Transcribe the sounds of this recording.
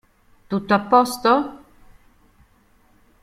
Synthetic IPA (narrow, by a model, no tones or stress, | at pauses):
t̪ut̪ːoapːɔst̪o